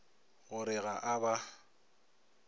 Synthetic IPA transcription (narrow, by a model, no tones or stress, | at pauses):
ɣʊɾɪɣaʔaba